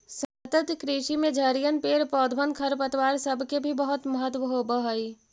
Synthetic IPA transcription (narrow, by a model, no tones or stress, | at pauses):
sət̪ət̪kɾiːʃimẽd͡ʒʱəɾijənpeːɾpɔːd̪ʱbənkʰəɾpət̪waːɾsɐbʱkebʱibəɦʊt̪məɦət̪wəɦobəɦəiː